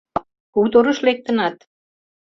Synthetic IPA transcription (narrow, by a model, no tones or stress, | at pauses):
ut̪oɾə̆ʃlek̚t̪ə̆nɑt̪̚